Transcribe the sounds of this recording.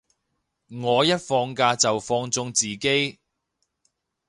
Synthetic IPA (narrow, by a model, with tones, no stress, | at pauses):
ŋɔː˨˧jɐ˥t̚fɔː˧ŋkaː˧t͡sɐ˨wfɔː˧ŋt͡sʊ˧ŋt͡siː˨ke˥j